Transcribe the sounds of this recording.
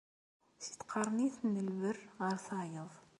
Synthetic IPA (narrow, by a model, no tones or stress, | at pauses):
si̥t̪qʰɑɾˤniθnːəlvərʁəɾθɑʕjəðˤ